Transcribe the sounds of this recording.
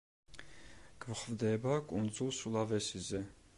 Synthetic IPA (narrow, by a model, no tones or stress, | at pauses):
ɡ̥vχvd̪ɛbakʼund͡zulsulavɛsizɛ